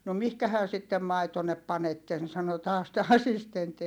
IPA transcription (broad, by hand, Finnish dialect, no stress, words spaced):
no mihkæhæ sitːem mɑitonːep pɑnetːen sɑno tɑːs tæ ɑsistentːi